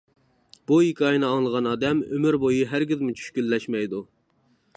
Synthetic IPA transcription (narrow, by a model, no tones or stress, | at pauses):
bujikʲʰɑjnɨɑŋlˠəʁɑnɑːd̪ɛmø̰myɾbojiɦæɾɡʲizmut͡ʃʰy̥ʃkʲylːɛʃmɛjd̪u